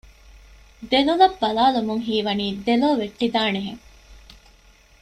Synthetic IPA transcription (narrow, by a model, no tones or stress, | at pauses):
d̪elolɐbːɐlaːlumuŋɦiːʋɐniːd̪eloːʋeʈːid̪aːneɦḛŋ